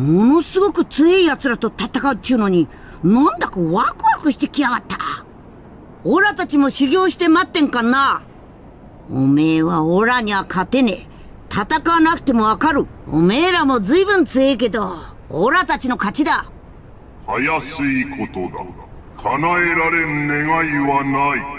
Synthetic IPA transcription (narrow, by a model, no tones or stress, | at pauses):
mo̞no̞sɨɡo̞kɯ̟t͡sɨeiat͡sɨɾat̪o̞t̪at̪akaɯ̟t͡ɕ̪ːiɯ̟no̞ɲ̟i | nõnd̪akoβakɯ̟βakɯ̟ɕi̥t̪e̞kʲiaɡat̪ːḁ | oɾat̪at͡ɕimo̞ɕiɡʲo̞ːɕi̥t̪e̞mat̪ːẽ̞ŋkana | o̰me̞ːβaoɾaɲ̟iβakʰat̪e̞ne̞ | t̪ʰat̪akanakɯ̟̥t̪e̞mo̞βakaɾɯ̟o̰me̞ːɾamo̞zɨibɯ̟̃nt͡sɨe̞ike̞d̪o̞ː | ɾat̪at͡ɕino̞kat͡ɕid̪a | hajasɨikʰot̪od̪a̰ | kʰanaeɾaɾe̞nɯneɡaiβanai